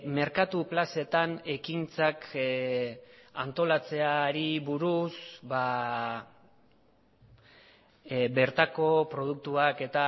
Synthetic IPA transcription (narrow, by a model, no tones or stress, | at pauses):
me̞ɾkat̪uplase̞t̪ane̞kint͡sak | ant̪o̞lat͡se̞aɾiβuɾusba | be̞ɾt̪ako̞pɾo̞ð̞uk̚t̪uake̞t̪a